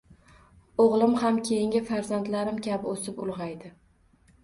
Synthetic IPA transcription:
oʁlˠɪmhamkʲʰe̞jɪŋʲɪfaɾzant̪laɾɪmkʲabɪosɪpʊlˠʁɑjd̪ɪ

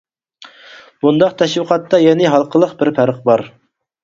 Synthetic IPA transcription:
b̥und̪ɑqt̪ʰɛʃwɨqʰɑt̪ːɑjɛnɪɦɑlˠqʰəlˠəqbɪɾpʰæɾəq̚bɑɾ

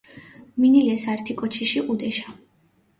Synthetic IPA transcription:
minilɛsaɾt̪ʰikʼɔt͡ʃʰiʃiʔud̪ɛʃa

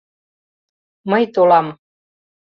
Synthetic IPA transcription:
məjt̪olɑm

